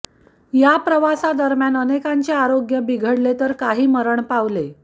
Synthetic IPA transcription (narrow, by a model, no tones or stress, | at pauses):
japɾəʋasad̪əɾmjanənekaɲt͡ɕeaɾoɡjəbiɡʱəɽlet̪əɾkaɦiːməɾəɳpaʋle